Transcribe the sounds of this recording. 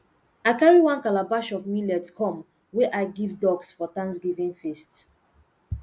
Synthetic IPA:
aɪkaɹiwãnkalabaʃɔvmilɛdskɔ̃m | weʔaɪɡivdɔɡsfɔtãnsɡivĩŋfist

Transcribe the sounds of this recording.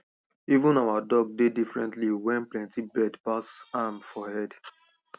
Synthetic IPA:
ivũnawadɔɡ̚dedifɹɛ̃ntliwɛ̃nplɛ̃ntibɛdpasamfɔhɛd

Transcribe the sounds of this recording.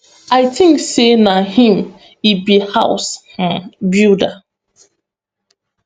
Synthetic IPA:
aɪtʰɪ̃ŋksenahĩm | ibihaʊsh̩bjuda

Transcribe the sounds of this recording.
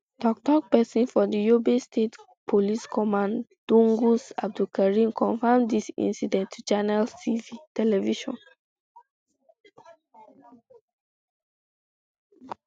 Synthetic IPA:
tɔk̚tɔk̚pɛsĩnfɔdijobestʰet | pʰoliskʰɔmãndũŋɡusab̚dulkaɹĩmkʰɔ̃ɱfamdisḭ̃nsidɛ̃ntʰːut͡ʃanaltʰivitɛlɛviʃɔ̰̃n

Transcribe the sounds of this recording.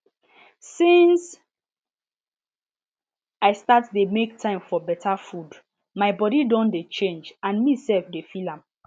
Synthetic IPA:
sĩns | aɪstatdemektʰãɪ̃mfɔbɛtʰafud | maɪbɔɾidɔ̃ndet͡ʃẽnd͡ʒãnmisɛlfdefilãm

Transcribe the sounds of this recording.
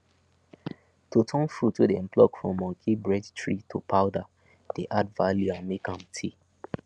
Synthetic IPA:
totʰɔ̃nfutʰudɛɛ̃mplɔkfɹɔ̃mːɔ̃kʰibɹɛdtɹitʰupʰaʊda | d̥eʔadvaljuãnmekãmtʰi

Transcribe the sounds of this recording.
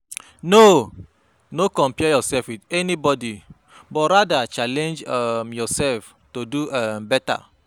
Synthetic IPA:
no | nokɔ̃mpɛjɔsɛfwidɛnibɔdi | bɔtɾadat͡ʃalɛ̃nd͡ʒamjɔsɛlf | toduambɛta̰

